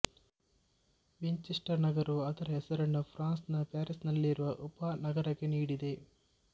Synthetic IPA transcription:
ʋeɲt͡ʃiʂʈɐɾnɐɡɐɾuɐd̪ɐɾɐɦɛsɐɾɐɳːɐpʰɾaːnsnɐpjaːɾisnɐlːiːɾuʋɐʔɔpɐnɐɡɐɾɐɡeniːɽid̪e̞

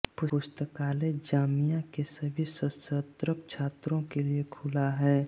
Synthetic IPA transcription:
pʊʊst̪əkaːled͡ʒaːmijãkesɐbʱisəsət̪ɾəp̚t͡ʃʰaːt̪ɾõkeliekʰʊlaɦɛː

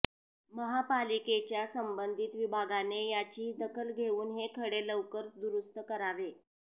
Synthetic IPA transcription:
məɦapaliket͡ɕjasəmbənd̪ʱit̪ʋibʱaɡanejat͡ɕiːd̪əkʰəlɡʱeuːnɦekʰəɽeləʋkəɾd̪uɾust̪əkəɾaʋe

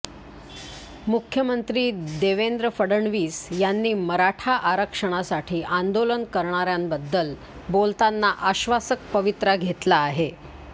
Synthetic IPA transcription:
mukʰjəmənt̪ɾiːd̪eʋend̪ɾəfəɽəɳʋiːsjanːiːməɾaʈʰaʔaɾəkʂəɽ̃asaʈʰiːʔand̪olənkəɾɳ̃aɾjambəd̪ːəl | bolt̪anːaʔaɕʋasək̚pəʋit̪ɾaɡʱet̪laːɦe

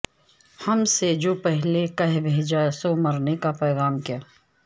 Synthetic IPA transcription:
hɐmsed͡ʒoːpɛɦlekɐɦbʱeːd͡ʒasomɐɾnekapɛːɣaːmkijaː

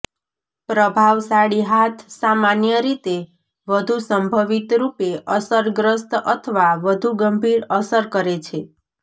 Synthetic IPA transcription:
pɾəbʱaʋsaɽiɦat̪ʰsamanjəɾit̪e | ʋəd̪ʱusəmbʱəʋit̪ɾupeʔəsəɾɡɾəst̪ət̪ʰəʋaʋəd̪ʱuɡəmbʱiɾəsəɾkəɾet͡ʃʰe

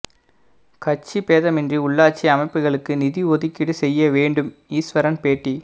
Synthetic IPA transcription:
kɐt͡ʃːipeːðɐmɪndriʊɭːaːt͡ʃiɐmɐɪpːɯɣɐɭɯkːɯnɪðiɔðɪkːɪɽɯsɛjːɐʋeːɳɖɯmiːsʋɐɾɐnpeːʈːi

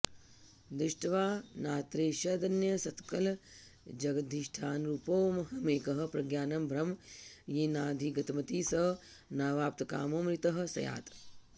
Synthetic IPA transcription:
d̪ɾɪʃʈɐʋaːnaːt̪ɾeːʃɐd̪ɐnjɐsɐt̪kɐl | d͡ʒɐɡɐd̪ʱiʃʈʰaːnɾuːpoːmɐɦɐmeːkɐɦɐ̆pɾɐɡjaːnɐmbʱɾɐmjiːnaːd̪ʱiɡɐt̪ɐmɐt̪iːsɐnaːʋaːp̚t̪ɐka̰ːmoːmɾit̪ɐɦɐ̆sɐ̰ja̰ːt̪

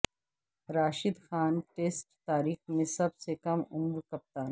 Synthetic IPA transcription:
ɾaːʃɪd̪xaːnʈeːsʈt̪aːɾiːxmẽsɐbsekɐmʊmɾkɐp̚t̪aːn

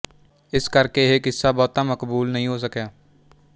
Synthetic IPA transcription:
ɪskɐɾkeɦekɪsːabɔːt̪amɐkbuːlnɐɦĩɦos̬ɐkjaː

